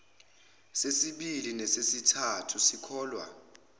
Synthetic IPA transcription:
sesiɓilinɛsesitʰatʰusikʰɔːlwa̰

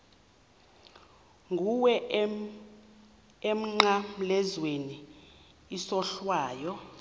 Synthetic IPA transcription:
ŋɡʱuwɛ | em̩ŋ͡ǀam̩lɛzweniː | sɔɬwaːjɔ

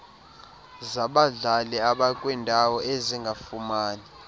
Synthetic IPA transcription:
zaɓaɮalɛaɓakʼwindʱawɔʔeziŋɡʱafumaːni

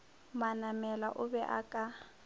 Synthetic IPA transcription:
manamɛlaʔʊbɛʔa̰kʼa

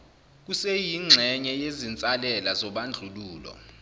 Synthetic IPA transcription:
k̬usejiŋ͡ǀʱɛɲɛjezint͡sʼalɛlazɔɓand͡ɮʱuluːlɔ̰

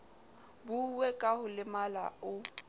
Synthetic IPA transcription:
bʊwekʼahʊlɪmala̰ʊ

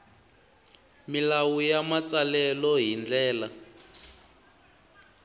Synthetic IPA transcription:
milawujamat͡salɛlɔɦind͡ɮɛːla

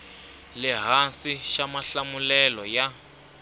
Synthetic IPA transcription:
lɛɦansiʃamaɬamulɛlɔja

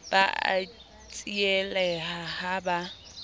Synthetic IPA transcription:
b̥aa̰ | t͡sʼiɛlɛhahaba

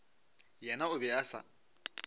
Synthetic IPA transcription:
jɛnaʊbɛasa̰

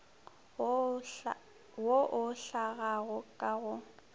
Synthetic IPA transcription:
woʔʊɬaɣaɣʊkʼaɣʊ

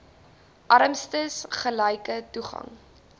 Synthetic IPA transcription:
ʔɐɾəmstəsχəlɛjkətuχɐ̰ŋ

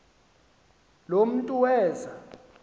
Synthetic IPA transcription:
lom̩tʼuwɛːza

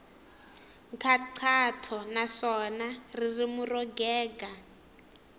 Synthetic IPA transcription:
ŋkʰaǀʰatʰɔnaʂɔnaririmurɔɡɛːɡa

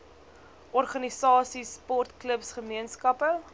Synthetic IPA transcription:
ʔɔrχɐnisɑːsispɔrt̪kləpsχəmiənskɐpə

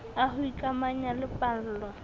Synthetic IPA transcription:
ahʊikʼamaɲalɪpʼal̩ːlɔ

